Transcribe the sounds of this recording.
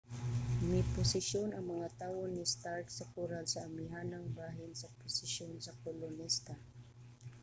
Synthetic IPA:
mɪjpʊsɪʃjonɐŋmɐŋat̪aːwonɪst̪aɾk̪sɐkuɾalsɐːmɪɦaːnaŋbaːɦɪnsɐpʊsɪʃjonsɐkolʊnist̪a

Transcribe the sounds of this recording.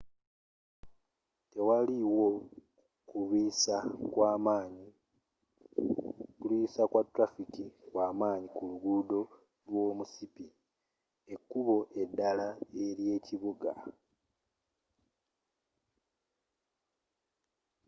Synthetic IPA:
te̞waliwo̞ | kuβisakwaːmaːɲi | kuliːsakwatːɾafikikwaːmaːɲikuluɡuːdo̞ | lwo̞ːmusipi | e̞kːuβo̞ʔe̞dːalae̞ɾje̞ːciβuɡa̰

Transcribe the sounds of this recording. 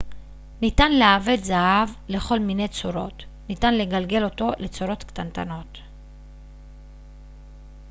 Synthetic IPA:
nitanleavetzaavle̞χo̞lmine̞jt͡soɾo̞tnitanle̞ɡalɡe̞lo̞to̞le̞t͡soɾo̞t̪kt̪ant̪a̰no̞t

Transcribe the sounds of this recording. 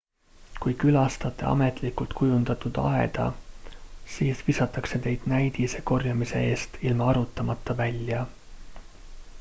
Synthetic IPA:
kujkylɑst̪ɑt̪ːˑe̞̰ɑ̰me̞t̪ˑlikult̪kujund̪̥ɑt̪ːˑud̪̥ɑ̰e̞̰d̪̥ɑ̰ | siːsvisɑt̪ːˑɑkse̞t̪e̞jd̪̥næjd̪̥ise̞ko̞rjɑmise̞̰e̞ːst̪ilmɑɑɾut̪ːˑɑmɑt̪ːɑvælʲjɑ

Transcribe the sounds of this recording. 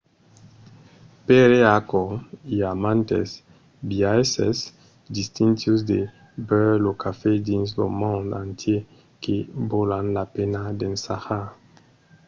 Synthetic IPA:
peɾeakoiamãnt̪es | biaeses | d̪ist̪int̪juzd̪e | bɛlokafed̪ĩnslo̰mɔ̃nd̪ãnt̪je | kebolanlapenad̪ensaxaɾ

